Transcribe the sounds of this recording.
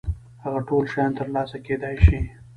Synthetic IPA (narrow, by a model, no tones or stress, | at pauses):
haɣaʈolʃajɑnt̪əɾlɑsaked̪ɑjʃi